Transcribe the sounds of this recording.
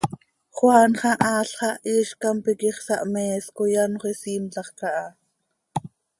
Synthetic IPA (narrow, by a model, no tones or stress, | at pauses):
χwɑːnχɑʔɑːɬχɑʔiːʃkɑmpikiχsɑʔmɛːskojɑnχʷisiːmt͡ɬɑχkɑʔɑː